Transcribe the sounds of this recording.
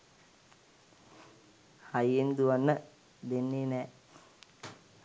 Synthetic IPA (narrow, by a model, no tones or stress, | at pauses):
hajːend̪uʋanːə | d̪enːenɛː